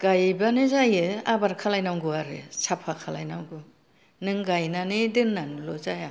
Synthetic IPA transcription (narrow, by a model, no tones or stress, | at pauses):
ɡ̥ajbanɯzajɯabaɾkʰalajnawɡɯaɾɯ̰sapʰakʰala̰jnawɡɯ | nɯŋɡajnanidɯnːanulɔzaja